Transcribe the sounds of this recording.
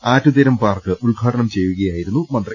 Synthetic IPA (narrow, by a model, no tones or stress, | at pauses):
aːtːud̪ɐɾɐmpaːrkɨʔuɭɡʱaːʈɐɳɐmt͡ɕe̞jːuɣɐjaːjiɾunːumɐnd̪ri